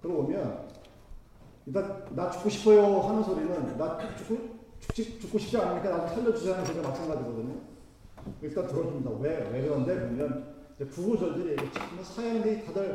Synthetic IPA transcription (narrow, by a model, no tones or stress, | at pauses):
kɯɾʌbomjʌn | it͈annat͡ɕu̥k͈oɕʰi̥pʰʌjohanɯnsʰoɾinɯnːat͡ɕuk͈ʰːut͡ɕu̥k̚t͡ɕ͈ʰikt͡ɕuk͈oɕʰi̥p̚t͡ɕ͈ianiɲik͈anad͡ʑɯŋsʰaɭd͡ʑʌt͡ɕusʰaɦanɯnsʰoiɡamat͡ɕʰaŋɡad͡ʑiɡʌdɯɲo | it͈atɯɾʌs͈umɲidaweweɡɯɾʌnde̞bomjʌn | id͡ʑe̞pubud͡ʑʌɭdɯɾieɡet͡ɕ͈ʰik͈ʰɯmɯnsʰajʌŋditadʌɭ